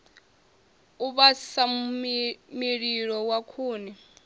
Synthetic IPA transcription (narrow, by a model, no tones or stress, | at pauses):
uβasa | miɺiɺɔwakʰuːnɛ